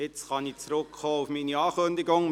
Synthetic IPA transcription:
ɪt͡sχɑnit͡sɾʊkχoːufminiɑːkønd̪ɪɡʊŋ

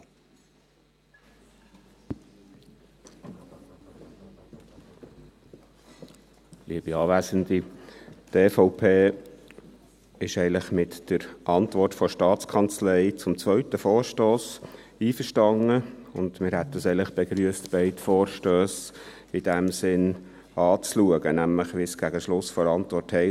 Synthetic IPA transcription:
lʔiəb̥iɑːʋæːzənd̪itefɔʊpʰeː | ɪʃɛɪləχmɪt̪d̥əɾʔɑnt̪vɔrtfɔʃtɑːtt͡skʰɑnt͡slɛɪt͡sʊmt͡sʋœɥt̪əfɔːɾʃtoːsiːfəʃtɑŋəʊnd̥̪mɪɾhɛt̪dəsɛɪŋləχb̥eɡɾyəstb̥ɛɪtfɔːɾʃtøːs | ɪd̥æmsɪn | ɑːt͡sluəɡənæmləχʋɪsɡ̥æɡəʃlʊsfɔɾɑnt̪ʋɔrthɛɪ

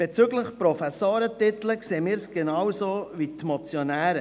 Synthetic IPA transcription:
b̥et͡syɡləχpɾɔfæsoːɾət̪ɪt̪ləkseːmɪːɾsɡ̥enɑwzoːvit̪mɔt͡sjonæːɾə

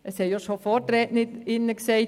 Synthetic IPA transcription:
ʔəshɛjoʃofɔtɾɛːtnɪdɪnːəksɛɪt

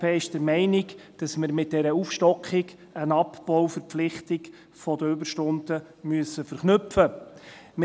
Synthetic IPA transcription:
peːɪʃd̥əɾmɛɪnɪɡd̥ɑsmɪɾmɪt̚d̥ɛɾəufʃtɔkχɪɡ | ənɑpb̥ɔwfəɾpp͡flɪχtɪɡ | fɔdəʏbəɾʃtʊntə | myəsːəfəɾχnɵpfəmɪ

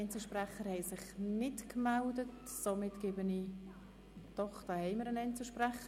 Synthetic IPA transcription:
ɛnt͡səʃprɛχəɾhɛɪsɪχnɪtkmɛldət | somɪtɡ̥eːbəni | tɔχtɑhɛɪməɾənɛnt͡səʃprɛχə

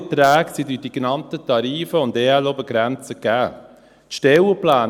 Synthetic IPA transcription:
tɾæːksidydiɡnɑmt̪ətɑɾiːfəʊndeːɛlobəɡɾɛnt͡səɡæː | t̪ʃtɛwəplæːn

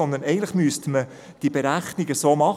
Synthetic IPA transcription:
ɔnd̪ənɛɡən̩tləχmyəstmə | d̥ib̥eɾæχniɡəsoːmɑχ

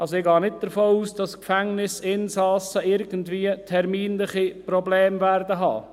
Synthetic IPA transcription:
ɑls̬oɪɡɑːnɪt̚d̥̪əɾfoːuːsd̥ɑskfɛŋnɪsɪnsɑːsəɪɾɡəntʋiːətʰɛɾmiːnlɪχiprɔblɛːmvæɾdəɦɑ̰ː

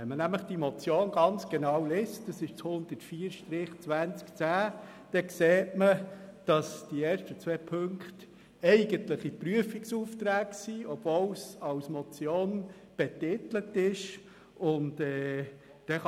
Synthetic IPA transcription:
ɛnmənæmləχd̥imɔt͡sjoːnɡɑnt͡sɡ̥enɑwlestd̥ɑsɪʃt͡shʊnd̪̥ətfiːəɾʃtɾɪχt͡sʋænt͡skt͡sæː | d̥ɛkseːtməd̥ɑsd̥ieːɾʃtət͡sʋɛːpʰɵŋkχt | ɛɪɡ̥əntləχipɾyəfiksuːft̪ɾæːksiːɔb̥vowsɑwsmɔt͡sjoːn | b̥etɪt̪lətɪʃ | ʊntɛː | d̥ɛ

